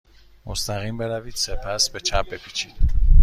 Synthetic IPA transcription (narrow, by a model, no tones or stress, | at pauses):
mɔst̪aʁimbɛɾavit̪sɛpʰæsbɛt͡ʃʰapɛpʰit͡ʃʰit̪